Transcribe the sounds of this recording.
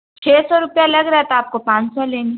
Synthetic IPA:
t͡ʃʰeːsɔɾʊpjalɐɡɾɐɦɛt̪aaːp̚kopãːɲt͡ʃsɔleːni

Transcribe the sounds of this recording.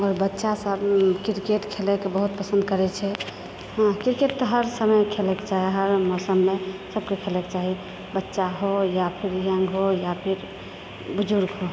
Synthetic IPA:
ɔɾbətːʃasəbkiɾkeʈkʰelɛkebəɦut̪̚pəsənd̪̚kəɾɛt͡ʃʰɛ | ɦə̃kiɾkeʈt̪ɔɦəɾsəməjkʰelɛket͡ʃaɦiɦəɾmɔsəmːesəbkekʰelɛke̥t͡ʃaɦi | bətːʃaɦojapʰiɾjəŋɡɦojapʰiɾ | bud͡ʒuɾɡɦo

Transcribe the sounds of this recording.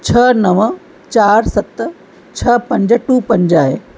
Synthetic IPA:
t͡ɕʰɐnɐʋ | t͡ɕaːɾsɐt̪ | t͡ɕʰɐpɐ̃ɲd͡ʑʈuːpɐ̃ɲd͡ʑaːɦeː

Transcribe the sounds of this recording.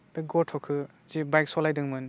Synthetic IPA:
beɡɔtʰɔkʰɯ | zibajk̚sɔlajdɯŋmɯn

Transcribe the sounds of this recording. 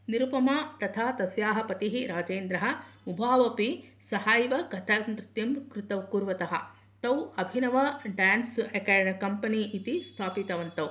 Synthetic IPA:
niɾupɐmaːt̪ɐt̪ʰaːt̪ɐsjaːɦɐpɐt̪iɦiɾaːd͡ʒeːnd̪ɾɐɦɐ̆ubʱaːʋɐpisɐhaːjʋɐkɐt̪ʰɐnɾɪt̪jɐmkɾut̪ɐwkuːɾʋɐt̪ɐɦɐ̰̆ | t̪ɐwɐbʱinɐʋɐɖaːnsɐkɛːɖɐɳɐkɐmpɐniʔit̪ist̪ʰaːpit̪ɐʋɐnt̪ɐw

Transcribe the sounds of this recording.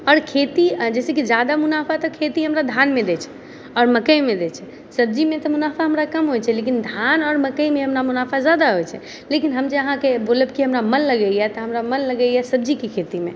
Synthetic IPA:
ɔɾkʰet̪id͡ʒɛsekid͡ʒad̪amunapʰat̪ɔkʰet̪iɦəmɾad̪ʱanmed̪ɛt͡ʃʰɛ̥ | ɔːɾməkəjmed̪ɛt͡ʃʰɛ | səb̚d͡ʒimet̪ɔmunapʰaɦəmɾakəmɦojt͡ʃʰɛlekind̪ʱanɔːɾməkəjmeɦəmɾamunapʰad͡ʒad̪aɦojt͡ʃʰɛ̰ | lekinɦəmd͡ʒeəɦãkeboləbkiɦəmɾamənləɡəjɛt̪ɔɦəmɾamənləɡəjɛsəb̚d͡ʒikekʰet̪ime

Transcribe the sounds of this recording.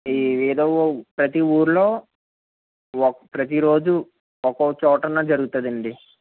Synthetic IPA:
eːd̪oːpɾɐt̪iuːɾulo̞ː | pɾɐt̪̬iɾo̞ːd͡ʒu | ɔkot͡ʃɔːʈɐnɐːd͡ʒɐɾuɡut̪ɐd̪ɐɳɖi

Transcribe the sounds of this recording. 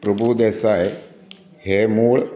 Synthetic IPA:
pɾəbʱud̪eːsaːe | heːmuːɭ

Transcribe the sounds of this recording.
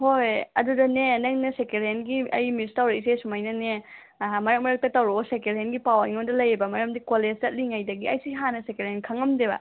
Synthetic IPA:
hojɐ̰dudɐnenɐŋnɐsekeɾenɡiʔɐ̰jmistawɾɐisesumɐjnɐne | mɐɾɐk̚mɐɾɐk̚tɐtɐwɾosekeɾenɡipawɐiŋondɐlɐjibɐmɐɾɐmdikoleztɐt̚liŋajdɐɡiɐjsiɦanɐsekeɾenkʰɐŋɐmdebɐ̰

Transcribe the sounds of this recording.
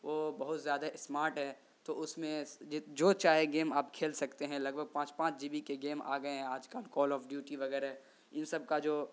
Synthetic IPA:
ʋoːbɐɦʊt̪zjaːd̪aɪsmaːɾʈɦɛː | t̪oʊsmẽd͡ʒoːt͡ʃaːɦeɡeːmaːpkʰeːlsɐkt̪eɦɛ̃lɐɡ̚bʱəɡ̚pãːt͡ʃpãːt͡ʃd͡ʒiːbikeɡeːma̰ːɡɐeɦɛ̃aːd͡ʒkalkɔːlɔːfɖjuːʈiʋɐɡɛːɾɦɛ | ɪnsɐb̚kad͡ʒoː

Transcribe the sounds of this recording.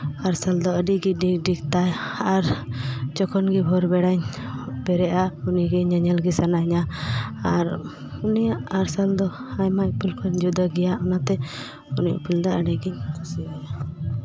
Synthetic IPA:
aɾsald̪ɔəɖiɡiɖiɖikt̪ajaɾd͡ʒɔkʰɔnɡibʱɔɾbɛɽaɲ | bɛɾɛʔauniɡiɲəɲɛlɡisanaɲaaɾ | unijaʔaɾsald̪ɔ | ajmac̚pulkʰɔɲd͡ʒud̪aɡɛjaʔɔnat̪ɛ | uniʔpild̪aəɽɛɡiɲiaja

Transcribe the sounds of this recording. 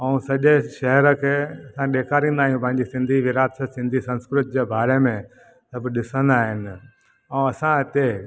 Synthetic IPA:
ɐũsɐʄeʃɐɦɾə̆kʰeːɐsãɗeːkʰaːɾĩːnd̪aːɦijũpɐ̃ɦɪ̃ɲd͡ʑesɪ̃nd̪ʱiʋɪɾaːt̪səsɪ̃nd̪ʱisɐ̃nskɾɪt̪̚d͡ʑeːbaːɾemẽ | sɐbɪɗɪsə̃nd̪aːɦɪnɪ̆ | ɛ̃ɐsãɪt̪e

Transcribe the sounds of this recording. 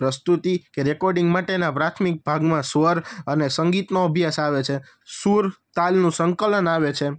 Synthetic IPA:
pɾəst̪ut̪ikeɾɛkɔɾɖĩŋɡmaʈenapɾat̪ʰmik̚bʱaɡmãsʋəɾənesəŋɡit̪noəbʱjasaʋet͡ʃʰe | suɾt̪alnũsəŋkələnaʋet͡ʃʰe

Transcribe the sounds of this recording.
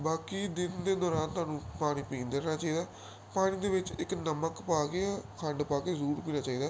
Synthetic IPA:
baːkiːd̪ɪnd̪eːd̪ɔːɾaːnt̪ʊwaːnũːpaːɽ̃ĩːpĩːnd̪eɾnãːt͡ʃaːiːd̪aː | paːɽ̃iːd̪eːʋɪt͡ʃɪknəməkpaːkeakʰəɳɖpaːkeːzuːɾpiːnaːt͡ʃaːiːd̪aː

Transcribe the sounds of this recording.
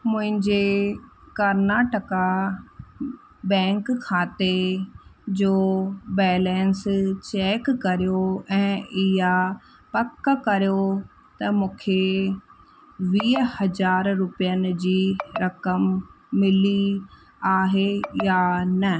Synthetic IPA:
mʊ̃ɦɪ̃ɲd͡ʑe | kɐɾnaːʈəka | bɛ̃ːŋkkʰːaːt̪e | d͡ʑoːbɛːlɛːnst͡ɕɛːkːɐɾijoɛ̃ːɪɦa | pɐkːkɐɾjo | t̪ɐmũːkʰe | ʋiːhɐzaːɾːʊpijənɪ̆d͡ʑiːɾɐkəmː | ɪli | aːɦejanɐ

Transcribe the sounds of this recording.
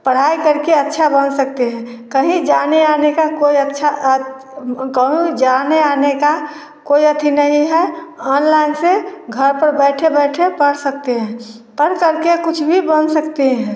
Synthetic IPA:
pəɽ̤aikəɾkeətːʃʰabənsək̚t̪eɦɛ̃ːkəɦĩd͡ʒaneanekakoiətːʃʰa | kəɦĩd͡ʒaneaːneka | koiət̪ʰinəɦĩɦɛɔːnlaɪnseɡʱəɾpəɾbɛːʈʰebɛːʈʰepəɽsək̚t̪eɦɛ̃ː | pəɾkəɾkekʊt͡ʃʰbʱibənsəkt̪eɦɛ̃ː

